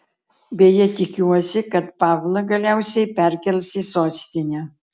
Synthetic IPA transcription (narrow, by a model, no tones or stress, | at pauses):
bʲejɛt̪ʲɪkʲuɔsʲɪkɐt̪pɑːʋlˠɐɡɐlʲɛˑʊsʲɛɪpʲæˑɾʲkʲɛlʲsiːsoːsʲt̪ʲɪnʲɛ